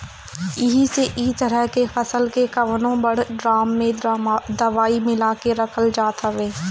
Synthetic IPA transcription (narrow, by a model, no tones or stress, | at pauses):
ɪɦiseʔiːt̪əɾəɦkefɐsəlkekɐʋnõbɐɽ̤ɖɾaːmːẽd̪ɐʋaːimɪlaːkeɾɐkʰəld͡ʒaːt̪əʋeː